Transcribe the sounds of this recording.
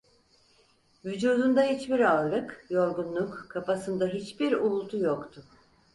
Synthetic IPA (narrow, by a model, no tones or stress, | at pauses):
vyd͡ʒuːd̪und̪ahit͡ʃbiɾaɾlˠɯkjo̞ɾɡunlˠukkʰːapasɯnd̪aɦit͡ʃbiɾulˠt̪ʰujokt̪ʰʊ